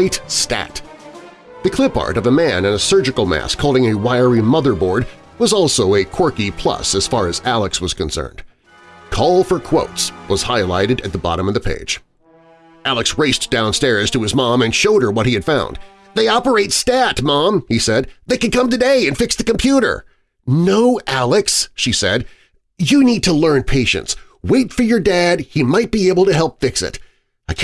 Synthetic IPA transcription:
ɪtstæ̰t | ðɨkʰl̥ɪpɑ̰ɹɾʌvəmæ̃nɨ̃nəsɜ˞d͡ʒɨkl̩ˠmæ̰skʰɔlˠdɪ̃ŋɨwaɪə˞imʌðə˞bɔɹd̚ | wʌzɔlˠsoʊɨkʰɔɹkipʰl̥ʌ̰sɨz̥fɑɹɨzælˠəkswʌz̥kɨ̃nsɜ̰̃˞nd̥ | kʰɔlˠfə˞kʰw̥oʊtswʌz̥haɪla̰ɪɾɨɾɨt̪̚ðəbɑ̰ɾə̃mʌvðɨpʰḛɪd̥d͡ʒ̥ | ʔælˠəksɹeɪsd̥ãʊ̃nstɛɹz̥tʰɨɨzmɑ̃mɨ̃nʃoʊɾ̚ə˞wʌt̚hiɨd̥fãʊ̃nd̪ | ðeɪɑpə˞eɪtstætmɑ̃misɛd̪̚ðeɪkɨ̃nkʌ̃mtɨdeɪɨ̃nfɪksðɨkɨ̃m̩pʰj̥ʉɾə̰˞ | noʊʔælˠɨksʃisɛ̰d̚ | jɨnid̚tʰəlɜ̃˞npʰeɪʃɨ̰̃ns | weɪtfə˞jə˞dæd̚himaɪt̚b̥ieɪbl̩ˠtɨɦɛlˠpfɪksɪ̰t | aɪkʰ

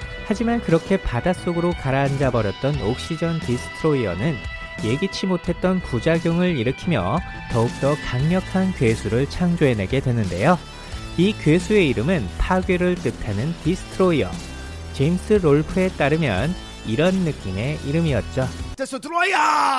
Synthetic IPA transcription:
had͡ʑimankɯɾʌkʰe̞padas͈oɡɯɾokaɾaːnd͡ʑabʌɾjʌt̚t͈ʌnok̚ɕ͈id͡ʑʌntisʰɯ̥tʰɯɾoiʌ̰nɯn | je̞ɡit͡ɕʰimotʰe̞t̚t͈ʌnpud͡ʑaɡjoŋɯɾiɾɯkʰimjʌ̰ | tʌuk̚t͈ʌkaŋɲʌkʰankɥesʰuɾɯɭt͡ɕʰaŋd͡ʑoene̞ɡe̞dwenɯnde̞̰jo | ikɥesʰue̞iɾɯmɯnpʰaɡeɾɯɭt͈ɯtʰanɯntisʰɯ̥tʰɯɾoiʌ̰ | t͡ɕe̞imsʰɯɾoɭpʰɯe̞t͈aɾɯmjʌn | iɾʌnːɯk͈ime̞iɾɯmiʌt̚t͡ɕ͈o

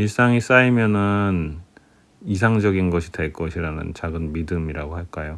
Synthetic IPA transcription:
iɭs͈aŋis͈aimjʌnɯn | is̬ʰaŋd͡ʑʌɡinɡʌɕʰide̞ɭk͈ʌɕʰiɾanɯ̰nt͡ɕaɡɯnmidɯmiɾaɡoɦaɭk͈ajo

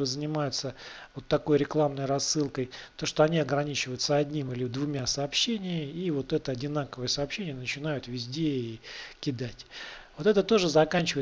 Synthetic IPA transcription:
ɨzənʲɪmajʊt̪səvo̞t̪ːɐko̞jɾʲɪklˠamnəjrɐsːɨlˠkəjt̪o̞ʂt̪o̞ɐnʲiɐɡɾɐnʲit͡ɕɪvəjʊt̪səɐdʲnʲimilʲɪd̪vʊmʲasəːpɕːenʲɪmʲɪivo̞t̪ɛt̪əɐdʲɪnakəvəjəsɐːpɕːenʲɪjənət͡ɕɪnajʊt̪vʲɪzʲdʲeikʲɪd̪atʲvo̞t̪ɛt̪ət̪o̞ʐɨzɐkanʲt͡ɕɪvəɪ

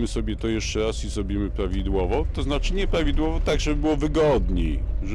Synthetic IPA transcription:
mɘsɔbʲjɛt̪ɔjɛʂt͡ʂɛɾasizɾɔbʲimɘpɾavʲid̪wɔvɔt̪ɔznat͡ʂɘɲɛpɾavʲid̪wɔvɔt̪aɡʐɛbɘbɘwɔvɘɡɔd̪ɲiʐ

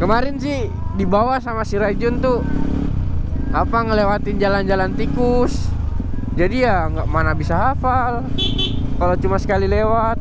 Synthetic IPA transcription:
kəmaɾɛnsɪh | dibawasamasiɾad͡ʒunt̪u | apaŋəlewat̪ɪnd͡ʒaland͡ʒalant̪ikus | d͡ʒadijaŋɡaʔmanabisaɦafal | kalot͡ʃumasə̥kalilewat̪̚

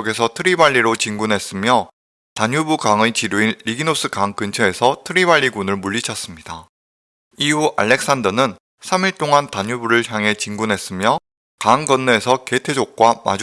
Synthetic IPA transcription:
ɡe̞sʰʌtʰɯɾibaʎːiɾot͡ɕiŋɡunɦe̞s͈ɯmjʌ | taɲjubukaŋet͡ɕiɾjuinːiɡinos͈ʰɯkaŋkɯnt͡ɕʰeːsʰʌtʰɯɾibaʎːiɡunɯɭmuɭːit͡ɕʰʌs͈ɯmɲida | iɦuʔaɭːe̞k̚s͈andʌnɯn | sʰamiɭt͈oŋantaɲubuɾɯɭçjaŋɦe̞t͡ɕiŋɡunɦe̞s͈ɯmjʌ | kaŋɡʌnːɯe̞sʰʌke̞tʰe̞d͡ʑok̚k͈wama̰d͡ʑ

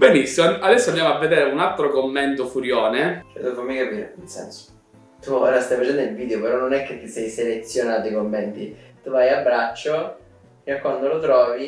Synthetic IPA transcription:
benisːimoad̪ɛsːoand̪jamoavːed̪eːɾeunalt̪ɾokomːent̪ofuɾjoːnet͡ʃɛ̰d̪eofamːikapiːɾḛinsɛ̰nso̥ | t̪uoːɾast̪ajfat͡ʃɛnd̪oilviːd̪eopeɾɔnonɛkːet̪ːisɛjselet̪sːjonaːt̪oikomːɛnt̪it̪uvajabːɾat͡ʃːo | kɛkwand̪olot̪ɾɔːvi

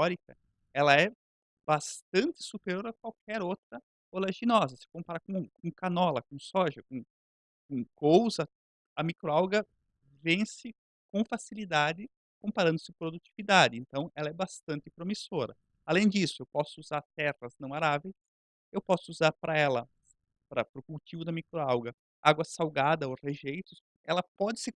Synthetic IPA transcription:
t̪ɔɾikɐ | ɛlɐɛ | bast̪ɐ̃nt̪ɪ̥supeɾjoɾɐkwawkʰɛɾowt̪ɾɐ | olaʒinɔzɐsɪ̥kõpaɾakõkõkanɔlɐkõsɔʒɐkõ | kõkowzɐ | ɐmikɾoawɡɐ | vẽsɪ | kõfasilid̪ad͡ʒ̪ɪ | kõmpaɾɐ̃nd̪ʊsɪpɾod̪ut͡ʃivid̪ad͡ʒɪẽnt̪ɐ̃w̃ɛlɐɛbast̪ɐ̃nt̪ɪpɾomisoɾʔɐ̰ | alẽj̃d͡ʒisʊewpɔsʊuzaɾt̪ɛʁɐznɐ̃w̃aɾavejs | ewpɔsʊuzaɾpɾʔɐɛlɐ | pɾɐpɾʊkuwt͡ʃivʊd̪ɐmikɾoawɡɐ | aɡwɐsawɡad̪ɐoʁeʒejt̪ʊs | ɛ̰lɐpɔd͡ʒ̪ɪsɪ

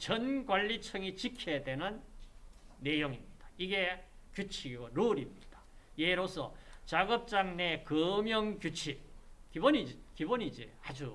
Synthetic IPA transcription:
t͡ɕʌnɡwaʎːit͡ɕʰʌŋit͡ɕikʰedwe̞nɯnː | e̞joŋimɲid̥ḁiɡe̞ | kjut͡ɕʰiɡoɾoɾimɲid̥ḁjeɾosʰʌt͡ɕaɡʌp̚t͡ɕ͈aŋne̞kɯmjʌŋkjut͡ɕʰikibonid͡ʑkibonɲid͡ʑḭhad͡ʑu

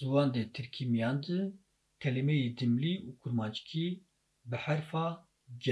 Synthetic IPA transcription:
zuwɑːnd̪eːt̪ʰɨɾkʰiːmijɑːnd̪ɨ | kʰɛlemɛjeːd̪ɨmliːuːkʰuɾmɑːt͡ʃkʰi | bɨħæɾfɑː | d͡ʒɛ

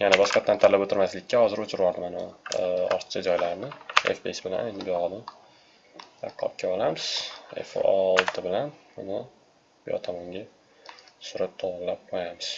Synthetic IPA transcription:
janabɒʃqɑt̪ːant̪ʰalapot̪ʰɪɾmaslɪkʲːahɒzɪɾʊt͡ʃʰɪɾwɒɾd̪ɪmana̰ɒ̰ɾt̪t͡ʃʰad͡ʒɒjlaɾnɪḛfbesbɪla̰nend̪ɪbeɒd̪ɪm | a̰qʰːɒ̰p̚kʲʰaɒlamɪz̥ḛfɒ̰lˠt̪ʰɪbɪlanbʊnɪ | b̥ɪɒ̰t̪ʰamɒŋɡʲa | sʊɾat̪ʰːɒwɑnlap̚qʰojamɪz̥

